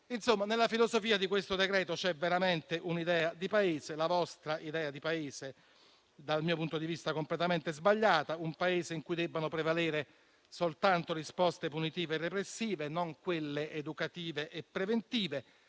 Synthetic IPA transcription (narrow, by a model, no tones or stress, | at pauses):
insomːanelːafilozofiːad̪ikwest̪od̪ekɾɛːt̪ot͡ʃɛvːeɾament̪eʔunid̪ɛːad̪ipaeːzelavɔst̪ɾaʔid̪ɛːad̪ipaeːze | d̪almiːopunt̪od̪ivist̪akomplet̪ament̪ezbaʎːaːt̪aumpaeːzeiŋkujd̪ɛbːanopɾevaleːɾe | solt̪ant̪orispɔst̪epunit̪iːveːrːepɾesːiːvenoŋkwelːeʔed̪ukat̪iːveʔepːɾevent̪iːve